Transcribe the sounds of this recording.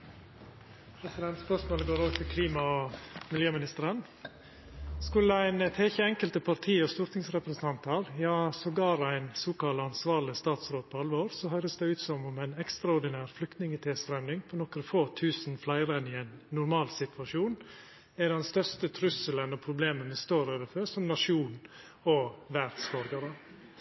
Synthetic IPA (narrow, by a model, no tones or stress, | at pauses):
pʰɾɛsɪd̪ɛnt̪spœsmoːləɡoːɾoːɡət̪ʰɪlkʰliːmɑmɪljøːmɪnɪst̪əɾən | skʉlːəæɪnət̪ʰɛːçəɛŋkəlt̪əpʰɑɾt̪ʰiːɔst̪uːɾt̪ʰɪŋsɾɛpɾəsn̩t̪ʰɑnt̪ɑɾjɑːsɔɡɑːɾæɪnsuːkɑlɑnsʋɑːɾlɪst̪ɑːt̪sɾoːt̪̚pʰɔɑlʋoːɾsɔɦœʏɾəsd̪æɪʉːt̪sɔmɔmæɪnɛkst̪ɾɑʊɾɖ̪ɪnæːɾflʏk̚t̪nɪŋət̪ʰeːsfɾɛmnɪŋpʰɔnɔkɾəfoːt̪ʰʉːsnflæɪɾənɪæɪnːʊɾmɑːlsɪt̪ʰʋɑʂjuːn | ædɛnst̪œɾst̪ət̪ʰɾʉsələnɔpʰɾʊbleːmənʋɪst̪oːɾøːʋəfœɾsɔmnɑʂuːn | ɔʋæɾd̪sbɔɾɡɑɾə